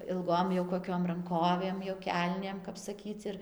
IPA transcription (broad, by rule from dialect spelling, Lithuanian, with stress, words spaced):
ɪlˠˈɡoːm jɛʊ koːˈkʲoːm rɐŋˈkoːʋʲeːm joː ˈkʲɛlʲnʲeːm kɐp sɐˈkʲiːt͡s ɪr